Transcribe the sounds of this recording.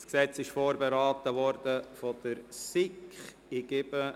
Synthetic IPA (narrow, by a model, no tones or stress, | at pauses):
sksɛt͡sɪʃfoːɾbeɾaːtəʋɔrd̥əfod̥̪əɾsɪkχ | ɪɡ̥ɪbə